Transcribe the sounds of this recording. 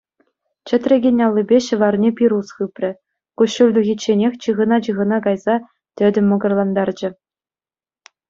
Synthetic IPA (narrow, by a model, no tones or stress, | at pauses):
t͡ɕɘ̆t̪ʲrʲeɡʲenʲːɑlˠʲːibʲeɕɤ̆ʋɑrnʲepʲiɾusχɯpʲrʲɘ̆ | kuɕːulʲd̪uɣʲit͡ɕːenʲexʲt͡ɕɯʁɤ̆nɑt͡ɕɯʁɤ̆nɑkɑjzɑ | t̪ʲɘ̆dʲɘ̆mʲːŏɡɤ̆rlˠɑnd̪ɑrd͡ʑɘ̆